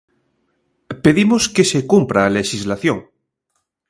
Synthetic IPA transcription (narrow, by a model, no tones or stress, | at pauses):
peðimoskesekumpɾaːleʃizlaθjoŋ